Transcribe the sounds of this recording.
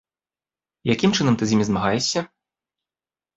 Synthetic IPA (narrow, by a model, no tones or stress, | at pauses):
jakʲimt͡ʂɨnɐmt̪ɨzʲimʲizmaɣajɛʂʲːɐ